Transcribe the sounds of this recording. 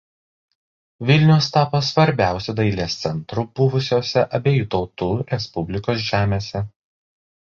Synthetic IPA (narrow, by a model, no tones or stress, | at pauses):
ʋʲɪlʲnʲʊʊst̪ɑːpoːsʋɐɾʲbʲæˑʊsʲud̪ɐɪlʲeːst̪sʲɛnt̪ɾʊb̥ʊʋʊsʲoːsʲɛʔɐbʲeːjuːt̪ɒʊt̪uːɾʲɛspʊbʲlʲɪkoːs̬ʒʲæːmʲeːsʲɛ